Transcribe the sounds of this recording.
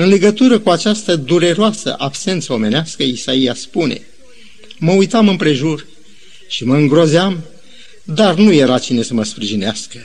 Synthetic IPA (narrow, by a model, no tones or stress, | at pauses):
ɨnle̞ɡət̪uɾəkuat͡ʃast̪əd̪uɾe̞ɾoasə̰ʔabse̞nt̪səo̞me̞neaskəisaijaspune̞̰ | məujt̪amɨmpɾe̞ʒur | ʃiməɨŋɡɾo̞zeam | d̪arnuje̞ɾat͡ʃine̞səməspɾiʒineaskə